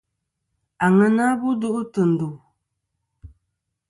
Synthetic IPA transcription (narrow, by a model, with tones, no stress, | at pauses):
a˨ŋɨ˦na˦bu˦du˦ʔʊ˦tɨ˨n̩˨du˨